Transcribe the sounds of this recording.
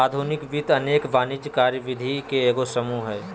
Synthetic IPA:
aːd̪ʱunɪkʋit̪əneːkʋaːnɪd͡ʒkaːɾjəʋɪd̪ʱikeeːɡosəmuɦɛː

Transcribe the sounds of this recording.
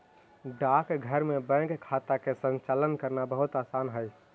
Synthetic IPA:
ɖakɡʱəɾmebɛ̃ŋkkʰːat̪akesə̃nt͡ʃalənkəɾnabəɦut̪aːsanɦəj

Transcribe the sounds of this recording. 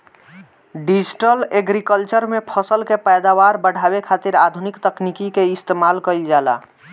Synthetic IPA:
ɖid͡ʒiʈəleɡɾikəlt͡ʃəɾmepʰəsəlkepɛjd̪awaɾbəɽ̤ʱabekʰat̪iɾad̪ʱunikt̪əknikikeɪst̪emalkəɪld͡ʒaːla̰

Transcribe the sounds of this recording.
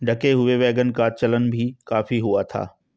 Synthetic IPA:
ɖɐkeɦʊeʋɛːɡənkat͡ɕɐlənɪ̆bʱikaːfiɦʊat̪ʰa̰ː

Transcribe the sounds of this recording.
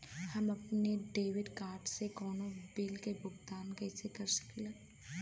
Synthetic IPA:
hɐmɐpneɖeːʋɪɖkaːɾʈsekɔːnõbɪlkebʱʊɡt̪aːnkɛːsekɐɾsɐ̥kle

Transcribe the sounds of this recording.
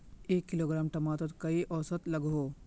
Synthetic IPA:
eːkːɪloːɡɾaːmʈɐmaːt̪ət̪kɐiʔɔːsət̪lɐɡɦoː

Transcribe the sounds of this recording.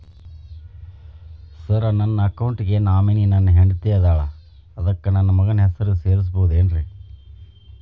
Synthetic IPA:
sɐɾɐnɐnːɐːkɐwɳʈɡenaːmininɐnːɐɦeɳɖt̪eːɐd̪aːɭɐː | d̪ɐkːɐnɐnːɐmɐɡɐnɐɦɛsɐɾuseːɾis̬boɦud̪eːnɾe

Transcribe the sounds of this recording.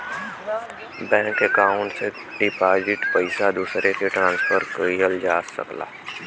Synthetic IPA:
bɛ̃ːŋkːekaːʊ̃ɳʈse | ɖɪpaːzɪʈpəɪsad̪uːsɾekeʈɾãːnspʰəɾkəijəld͡ʒaːsə̰kla̰ː

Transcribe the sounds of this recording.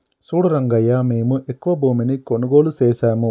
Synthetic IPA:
suːɽuɾɐŋɡɐjaːmeːmɨʔekːʋɐboːmenikːoɳuɡoːluseːsaːmɨ

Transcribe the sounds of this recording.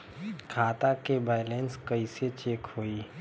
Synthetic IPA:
kʰaːt̪akebaːjleːnskəiset͡ʃeːkhoːiː

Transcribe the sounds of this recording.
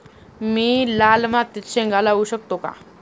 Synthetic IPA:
milaːlmãt̪it̪ʃẽŋɡaːlauʃək̚t̪oka̰

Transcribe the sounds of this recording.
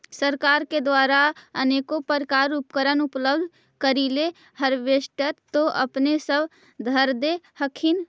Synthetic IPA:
səɾkaːɾked̪waːɾaəneːkopəɾkaːɾupkəɾənʊpləbd̪ʱ | kəɾile | həɾʋeʃʈəɾt̪oʔə̰pnesəb | d̪ʱəɾd̪ehəkʰin

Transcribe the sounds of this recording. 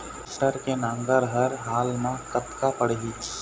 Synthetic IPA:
ʈəɾkenãŋɡəɾɦəɾɦaːlmãkət̪kapəɽɦi

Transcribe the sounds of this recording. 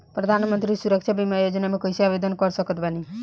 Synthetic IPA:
pɾəd̪ʱanmənt̪ɾisuɾəkt͡ʃʰabimajod͡ʒnamekɔjseabed̪ənkɔɾsəkət̪bani

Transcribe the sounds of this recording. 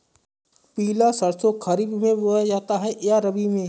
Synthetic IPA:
piːlasɐɾsokʰɐɾibmẽboːad͡ʒaːt̪aɦɛjaɾɐbimẽː

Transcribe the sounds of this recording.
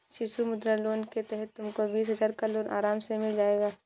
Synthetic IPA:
ʃɪsumʊd̪ɾaloːnket̪ɛɦɛt̪ːʊmkobiːs̬ɦɐzaːɾkaloːnʔa̰ːɾaːmsemɪld͡ʒaːeːɡaː

